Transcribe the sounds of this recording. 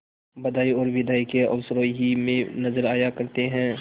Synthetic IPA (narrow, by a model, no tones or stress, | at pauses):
bɐd̪aːiɔːɾʋɪd̪ʱaːikeɔ̰ːsɾoːɦimẽnɐzəɾaːjakɐɾt̪eɦɛ̃ː